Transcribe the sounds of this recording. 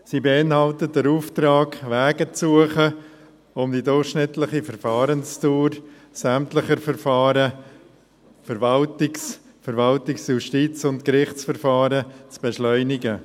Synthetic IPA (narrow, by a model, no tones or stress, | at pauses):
siːbeɪnhɑltət̚dəɾuːftɾɑːɡʋɛːɡət͡suəχə | ʊmd̥idʊrχʃnɪtlɪχifəɾfɑːɾənstuːɾ | sæmtləχəɾfəɾfɑːɾə | fəɾvɑltɪks | fəɾvɑltɪksjuʃtiːt͡sʊntkɾɪχt͡sfəɾfɑːɾət͡sb̥ɛʃlœʏnɪɡə